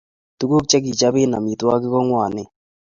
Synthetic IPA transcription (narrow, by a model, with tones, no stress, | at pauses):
tu˦ɡo˦k̚t͡ʃɛ˦k̬i˨t͡ʃa˦bɪ˦na̰˨mi˨twa˦kɪ˦kɔ˦ŋwa˨nɪ˨